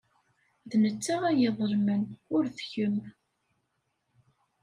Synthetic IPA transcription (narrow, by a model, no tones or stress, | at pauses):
ðnət͡sːaʁæjeðˤəɾmənʊɾθçəm